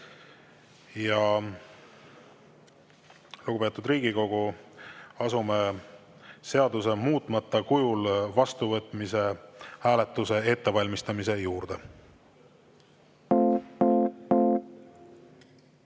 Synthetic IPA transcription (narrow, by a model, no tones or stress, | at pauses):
jɑ | luɡupe̞ːt̪ːˑud̪riːɡ̥iko̞ɡ̥u | ɑsume̞ | se̞ɑd̪use̞muːt̪ˑmɑt̪ˑːɑkujulvɑst̪uvɤt̪ːˑmise̞hæːle̞t̪ːˑuse̞e̞t̪ːe̞vɑlʲmist̪ɑmise̞juːɾd̪̥e̞